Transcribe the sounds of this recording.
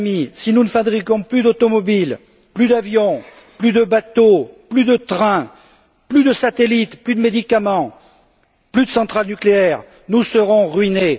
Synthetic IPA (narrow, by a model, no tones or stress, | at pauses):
misinunəfabʁikɔ̃plyd̪ot̪ɔmɔbil | plyd̪avjɔ̃ | plyd̪əbat̪oplyd̪ət̪χɛ̃ | plyd̪əsat̪elit̪plyd̪əmed̪ikamɑ̃ | plyd̪əsɑ̃t̪χalnykleɛʁ | nusəʁɔ̃ʁɥine